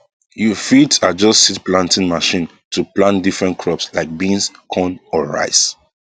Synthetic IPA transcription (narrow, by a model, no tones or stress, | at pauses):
jufitad͡ʒɔstsitplãntĩnmaʃĩn | tʰuplãntdifɹɛ̃ntkʰɹɔpslaɪk̚bĩnskʰɔ̃nɔɹa̰ɪs